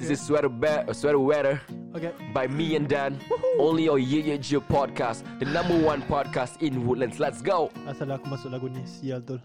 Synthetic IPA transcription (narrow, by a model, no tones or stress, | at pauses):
disiswɛɾəbɛswɛɾəwɛɾə | bajmiɛ̃ndɛ̃nõnliɔjijed͡ʒəpʰɔd̚kasdənãmbəwãnpɔd̚kastĩnwudlə̃nslɛtsɡoʊasalakumasʊk̚laɡunisialt̪ul